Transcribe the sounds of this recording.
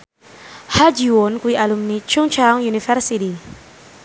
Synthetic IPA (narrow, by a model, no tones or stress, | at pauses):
had͡ʒiwonkwiʔalumnit͡ʃʰuŋt͡ʃʰaŋjunifɛrsiti